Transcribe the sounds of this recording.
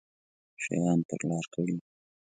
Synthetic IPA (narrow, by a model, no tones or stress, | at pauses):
ʃa̰jɑnt̪a̰ɾlɑɾkawi